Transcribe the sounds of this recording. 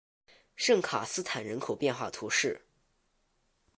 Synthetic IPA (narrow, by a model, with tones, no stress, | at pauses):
ʂɤ˥˩ŋkʰa̰˨˩sɹ̩˥t̪ʰa˨˩nɻə˧˥nkʰo˨˩ʊpjɛ˥˧nxwa̰˥˩t̪ʰu˧˥ʂɻ̩˥˩